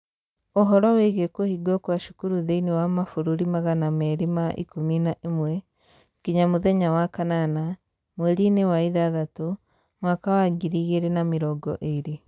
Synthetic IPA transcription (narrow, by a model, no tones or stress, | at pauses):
oɦɔɾɔweɣekohiɡwɔkwaʃu̥kuɾuðeiniwamafuɾuɾimaɣanamɛɾimaʔḭkominaʔemwɛ | kiɲamoðɛɲawakanana | mweɾinewaiðaðato | mwakawaɡiɾiɣeɾenamiɾɔɡɔ̰ʔeɾe